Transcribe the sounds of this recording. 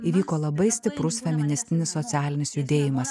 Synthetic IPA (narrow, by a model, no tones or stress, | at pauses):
iːʋʲiːkoːlˠɐbɐɪsʲt̪ʲɪpɾʊsfʲɛmʲɪnʲɪsʲt̪ʲɪnʲɪsːɔt̪sʲæːlʲɪnʲɪsjʊd̪ʲeːjɪmɐs